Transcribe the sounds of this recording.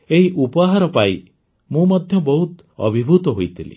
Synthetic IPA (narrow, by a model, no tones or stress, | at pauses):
eɦiʔupɔɦaɾɔpaji | mũmɔd̪ʱjɔbɔɦut̪ | ɔ̰bʱibʱut̪ɔɦojt̪ʰilḭ